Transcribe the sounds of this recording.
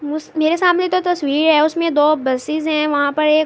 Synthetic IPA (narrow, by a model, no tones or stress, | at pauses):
mʊsmeːɾesaːmnet̪ot̪ɐsʋiːɾɦɛːʊsmẽd̪oːbɐsɪzɦɛ̃ʋɐɦãpɐɾeːk